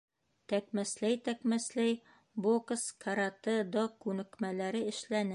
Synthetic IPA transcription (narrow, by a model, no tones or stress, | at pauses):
t̪ækmæslæjt̪ækmæslæj | bokskʰaɾat̪ɤd̪okʉnɘ̆kmælæɾɘɘ̆ʃlænɘ